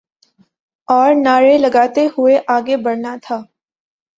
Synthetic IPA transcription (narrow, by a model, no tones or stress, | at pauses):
ɔːɾnaːɾelɐɡaːt̪eɦʊeʔaːɡebɐɽnat̪ʰaː